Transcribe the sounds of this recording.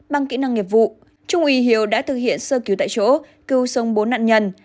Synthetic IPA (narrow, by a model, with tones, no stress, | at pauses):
ɓa˧ŋkḭ˧˥na˧ŋːi˨˩p̚vṵ˧˨ | t͡ɕʊ˧ŋ͡mʔi˨˦ɦi˨˦əwɗa̰ː˧˥t̪ʰɨ˨˩k̚hḭ˧˨ənsəː˧ki˨˦wt̪a̰ː˧˨t͡ɕo̰˧˥ | kɨ˧wsə˨˦wŋ͡mɓo˨˦na̰ː˧˨nɲə˧n